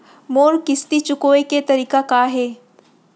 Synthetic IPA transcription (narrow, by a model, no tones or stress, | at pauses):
moːɾkɪst̪it͡ʃʊkoːeket̪ɐɾiːkakaɦɛː